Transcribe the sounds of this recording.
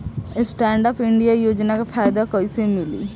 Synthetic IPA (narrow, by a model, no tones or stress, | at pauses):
sʈɛ̃ːɳɖapɪɳɖijajoːd͡ʒnakapʰaːjɪd̪akoisemɪlḭː